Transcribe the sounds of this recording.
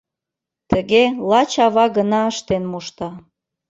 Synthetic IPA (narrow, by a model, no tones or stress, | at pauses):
t̪əɣelɑt͡ɕɑβɑɣənɑəʃt̪enmuʃt̪ɑ